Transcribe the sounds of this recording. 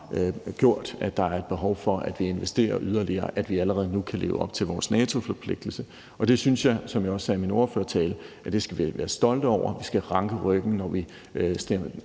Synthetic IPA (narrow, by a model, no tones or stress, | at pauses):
ɡ̥jo̝ɐ̰d̥æd̥ɑ̈æɐe̝d̥̚b̥e̝ɦɒʊfɒ̽ʔæd̥ʋie̝nʋesd̥e̝̰ːɐʔyð̞ˠɐliɐ̰ːʔæd̥ʋiæləʁɛð̞ˠənukʰæle̝ːʊəɒ̽b̥̚t͡sʰe̝lʋɒːsnɛːt͡sʰo̝fɒ̽pʰle̝ɡ̥̚d̥l̩sə | ʔɒ̽d̥e̝synsjɑ̈ɪsɒ̽mjɑ̈ɒ̽sːɛːminoɐføɐt͡sʰɛːləæd̥e̝sɡ̥æʋʋæːɐsd̥ɒ̽l̰d̥ɒʊ̰ʔɐ̰ʋisɡ̥æʁɑ̈ŋɡ̥əʁœɡ̥n̩nɒʋi | sd̥em